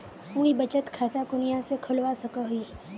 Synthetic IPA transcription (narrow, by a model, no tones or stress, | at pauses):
ũibɐt͡ʃət̪kʰaːt̪akʊnɪjãsekʰʊlwasɐkaɦʊi